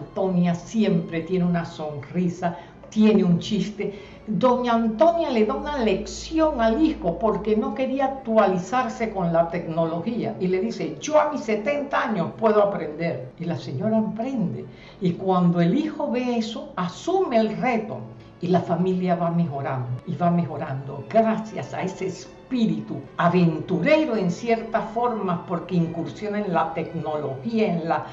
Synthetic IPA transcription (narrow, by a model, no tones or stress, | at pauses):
nt̪o̞njasje̞mpɾe̞t̪je̞neunaso̞nrisa | t̪je̞ne̞unt͡ʃist̪e̞ | d̪o̞ɲaant̪o̞njale̞ðaunale̞ksjo̞ŋalixo̞po̞ɾke̞no̞ke̞ɾiaːk̚t̪walisaɾse̞ko̞nlat̪e̞kno̞lo̞xia̰ile̞ðise̞d͡ʒo̞amisːe̞t̪e̞nt̪aaɲo̞spwe̞ð̞oapɾe̞nd̪e̞ɾilase̞ɲo̞ɾaempɾe̞nd̪e̞̰ | ikwand̪oe̞lixo̞βe̞eso̞asumeːlre̞t̪o̰ | ilafamiljaβame̞xo̞ɾand̪oiβame̞xo̞ɾand̪o̞̰ɡɾasjasa̰eseːs | piɾit̪uaβent̪uɾe̞ɾoe̞nsje̞ɾt̪asfo̞ɾmaspo̞ɾkeiŋkuɾsjo̞nenlat̪e̞kno̞lo̞xiaenla